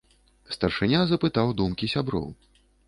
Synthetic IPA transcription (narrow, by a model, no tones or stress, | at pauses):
st̪ɐrʂɨnʲazɐpɨt̪awd̪umkʲisʲabɾɔ̰w